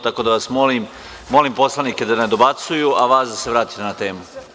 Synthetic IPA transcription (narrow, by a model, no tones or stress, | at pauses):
t̪ako̞d̪aʋasmolim | mo̞limpo̞slˠanike̞d̪aned̪o̞bat̪sujuʔaʋaːsd̪aseʋɾaːt̪i̥t̪enat̪e̞ːmu